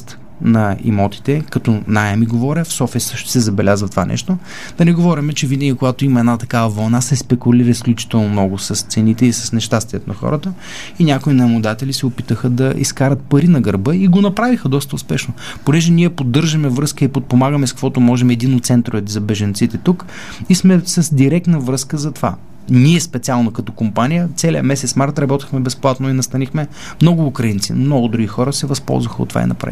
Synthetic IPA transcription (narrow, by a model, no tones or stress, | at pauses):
t̪ | nɐḭmɔt̪i̥t̪ɛkɐt̪ɔnajɛmiɡovɔɾʲəfsɔfɛsɤʃt̪ʊ̥sɛzɐbɛlʲazvət̪ova̰nʔɛ̰ʃt̪o | d̪̥ɐnɛɡovɔɾɛmɛt͡ʃɛvinəɡʲikoɡat̪oimɐɛd̪nat̪ɐkavəvɐlˠnasɛspɛkuliɾəsklʲut͡ʃi̥t̪ɛlˠnomnɔɡʊsɐst̪sɛnit̪ɛisɐsnɛʃt̪ast̪iət̪onɐxɔ̰ɾət̪ə | inʲakʊinɐmʊd̪at̪ɛlisɛopit̪əxəd̪ɐḭskaɾət̪̚pɐɾinɐɡəɾbɤiɡonɐpɾavixəd̪ɔst̪əʊspɛʃno | ponɛʒɛniɛpod̪ːɤɾʒəmɛvɾɤskəipot̪̚pomaɡəmɛskəkvɔt̪omɔʒɛmɛd̪inot̪sɛnt̪ɾoɛzɐbɛʒɐnt̪sit̪ɛt̪uk | ismɛsəzd̪iɾɛk̚t̪nəvɾɤskəzɐt̪ova̰ | niɛspɛt̪sʲialˠnɐkɐt̪ɔ̥kompanʲijət̪sɛlʲijəmɛsɛt̪smaɾt̪ɾɐbɔt̪ixmɛbɛsplˠat̪nʊinɐst̪ɐnixmɛ | mnɔɡʊːkɾɐint̪sḭnmnɔɡʊd̪ɾuɡʲixɔɾəsɛvɐspɔ̰lˠzvəxəo̰t̪ːva̰ḭnɐ̰pɾa̰